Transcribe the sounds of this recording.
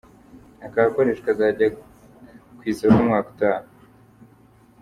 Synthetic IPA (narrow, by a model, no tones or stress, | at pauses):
akakoɾeːʃkazaːɟa | kwiːzeumŋaːku̥taːnu